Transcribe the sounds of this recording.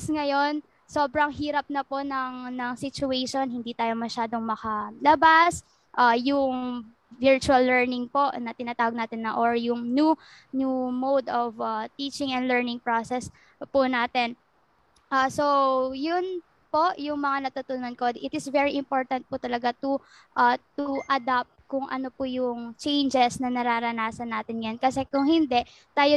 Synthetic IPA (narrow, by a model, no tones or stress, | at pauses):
sŋɐjo̞n | so̞ːbɾɐŋɦiːɾɐp̚nɐpo̞nɐŋnɐŋsɪt͡ʃʊɛjʃo̞nɦɪnd̪iːt̪aːjo̞mɐʃaːd̪o̞ŋmɐkɐlɐbas | ʔajʊŋ | vɪɹt͡ʃʊɐlːɛɹnɪŋpoʔnɐt̪ɪnaːt̪aːwɐɡ̚naːt̪ɪnːɐʔoɹjʊŋnu | njumowd̪ovat̪iːt͡ʃɪŋɛnd̪lɛɹnɪŋpɹosɛs | pʊnaːt̪ɪn | ʔasojʊn | po̞ʔjʊŋmɐŋanɐt̪ut̪ʊnɐnkod̪ʔɪt̪ɪsvɛɹiʔɪmpo̞ɹt̪ɐnt̪̚pʊt̪ɐlɐɡat̪ʊ | ʔɐt̪uʔɐd̪ap̚t̪̚kʊŋʔɐ̰nopʊjʊŋt͡ʃɛjnd͡ʒɛsnɐnɐɾaːɾɐnaːsɐnːaːt̪ɪnjjankɐsɛkʊŋhɪnd̪ɛʔ | t̪aːjo